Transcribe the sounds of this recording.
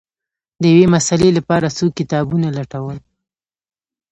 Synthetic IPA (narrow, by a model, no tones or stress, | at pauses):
d̪əjawemasalelapɑɾasokɪt̪ɑbunalaʈawəl